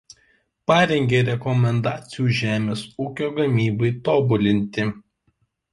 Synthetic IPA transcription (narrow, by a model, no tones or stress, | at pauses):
pɑːɾʲɛŋʲɡʲeːɾʲɛkɔmʲɛnd̪ɑːt̪sʲɪjuːʒʲæːmʲeːsuːkʲoːɡɐmʲiːbɐɪt̪oːbʊlʲɪnʲt̪ʲɪ